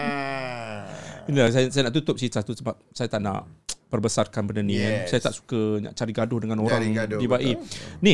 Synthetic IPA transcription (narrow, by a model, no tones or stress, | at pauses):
inlasajasajanaʔt̪ut̪ʊp̚sit̪at̪usəbap̚sajat̪aʔna̰ʔpərbəsarkanbəndənĩansajat̪aʔsu̥kənã̰ʔt͡ʃaɾiɡadʊhdəŋãnoɾaŋbibaʔini